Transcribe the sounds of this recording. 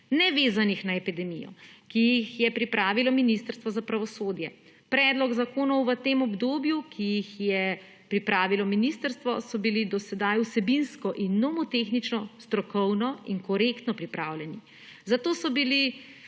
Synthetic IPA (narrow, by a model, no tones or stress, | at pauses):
nɛʋeːzanixnaɛpid̪ɛmijɔ̰kijixjɛpɾipɾaːʋilɔminist̪əɾst̪ʋɔzapɾaʋɔsoːd̪jɛ | pɾɛd̪lɔɡzakoːnɔwʋət̪eːmɔbd̪oːbjukʰijixjɛ | pɾipɾʔaːʋilɔminist̪əɾst̪ʋɔ̰sɔbilid̪ɔsɛd̪ajusɛbinskɔʔinːɔmɔt̪exnit͡ʃnɔst̪ɾɔkɔwnɔiŋkɔɾekt̪nɔpɾipɾa̰ːwlʲjɛni | zat̪oːsɔbili